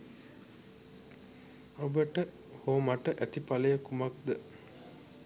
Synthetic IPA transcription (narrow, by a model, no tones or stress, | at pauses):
obəʈə | hoːmaʈəʔæt̪ipaləjəkumak̚d̪ə